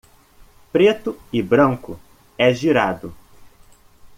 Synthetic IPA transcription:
pɾet̪ʊɪbɾɐ̃ŋkʊ | ɛʒiɾad̪ʊ

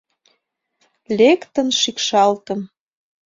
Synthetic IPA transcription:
lʲekt̪ə̆nʃikʃɑlt̪ə̆m

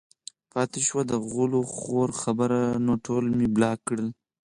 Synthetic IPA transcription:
pɑt̪eʃwad̪əɣuloxoɾxabəɾanoʈʰolmiblɑkɽəl

